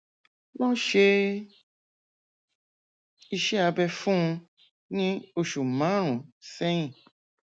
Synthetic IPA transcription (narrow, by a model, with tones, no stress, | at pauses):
lɔ̃˦ʃe˧ | i˧ʃɛ˦a˧bɛ˧fũ˦ũ˧ | nĩ˦o˧ʃu˨mã˨˦ɾ̃ũ˨sɛ˦j̃ĩ˨